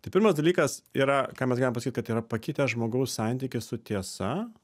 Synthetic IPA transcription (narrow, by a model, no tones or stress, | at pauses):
t̪ɐɪpʲɪɾmɐsd̪ɐlʲiːkɐsiːɾɐkaːmʲɛsɡɑlʲɪmpsɐkʲitkɐt̪iːɾɐpɐkʲɪt̪ʲɛʒmoːɡɐʊssɑˑnʲt̪ʲikʲɪssʊt̪ʲiɛsɐ